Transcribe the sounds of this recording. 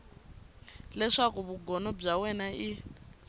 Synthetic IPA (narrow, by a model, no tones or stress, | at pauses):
lɛʂakuβuɡɔnɔb͡ʐawɛnai